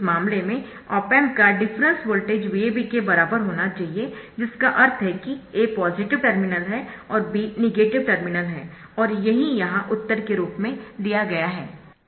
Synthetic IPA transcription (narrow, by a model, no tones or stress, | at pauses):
mãːmlemẽ | ɔːpɛːmkaɖɪfɾə̃nswoːlʈeːd͡ʒʋiebikebɐɾaːbəɾɦoːnat͡ʃaːɦied͡ʒɪskaʔɐɾt̪ʰɦɛkieːpɔːzɪʈɪʋʈəɾmɪnəlɦɛɔːɾbinɪɡeːʈɪʋʈəɾmɪnəlɦɛː | ɔːɾjɐɦijɐɦãʔʊt̪ːəɾkeɾuːpmẽd̪ijaɡɐjaɦɛː